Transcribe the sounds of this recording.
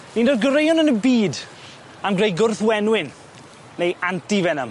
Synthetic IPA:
nindodɡəɾejɔnənəbiːd | amɡrejɡʊrθwɛnwɪn | nejantivɛnəm

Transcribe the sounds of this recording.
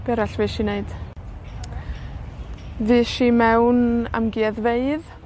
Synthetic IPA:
b̥ɛɾaɬviʃiːneɨd̥ | vɨːʃiːmɛwna̰mɡiːɛðveɨð

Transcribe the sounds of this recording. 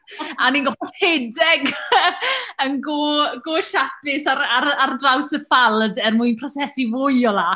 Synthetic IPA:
aninɡɔfɔhedɛɡ | ənɡoɡoːʃatɪsaɾaɾardrawsəfalˠdɛrmuɨnpʰrɔsɛsivʊɨɔlˠa

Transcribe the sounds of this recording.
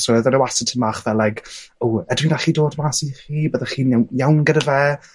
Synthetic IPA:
sowəðɔnəwasɪtʰəmaχvɛlːajkowədwindaχiːdoːdmaːsiχiːbəðaχiːnawjawnɡədəvɛ

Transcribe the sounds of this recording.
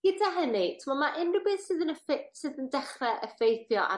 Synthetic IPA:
ɡ̥ədaɦənitʰəmɔmaʔɪnrəbɨðsɨðənəfesɨðəndɛχrɛʔəfejθjɔʔa̰

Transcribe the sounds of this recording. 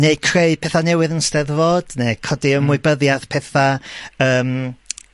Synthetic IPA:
nekʰreɨpʰɛθanɛwɪðənstɛðvoːd̥nekʰɔdiəmwʊbəðjaðpʰɛθaəːm

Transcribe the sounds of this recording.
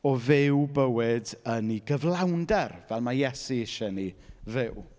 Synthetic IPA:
ɔvɪwbəwɪdəniɡəvlˠawndɛrvɛlˠmajɛsiɪʃɛnivɪw

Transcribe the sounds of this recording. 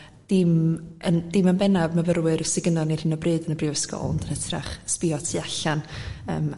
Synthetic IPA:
d̥ɪmənd̥ɪmənbɛnavmavəɾwɨɾəsɪɡənɔnir̥ɪnɔbrɨːdənəbɪwəskɔ̰lˠndənətʰra̰χspɪɔtʰiaɬanə̰ːm

